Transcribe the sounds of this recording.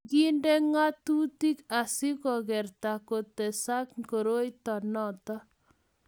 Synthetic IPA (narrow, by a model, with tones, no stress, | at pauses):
ɡi˦ndɛ˦ŋa˦tu˦ti˦ka˨sɪ˦kɔ˨ɣɛ˨rta˨ko˨tɛ˨sa˦kko˨ɾo˦i˦tɔ˨nɔtɔ˦